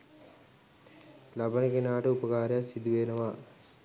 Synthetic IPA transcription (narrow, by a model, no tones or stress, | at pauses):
lɐbʱɐnikinaːʈuupɐkaːɾjasid̪uʋeːnɐʋaː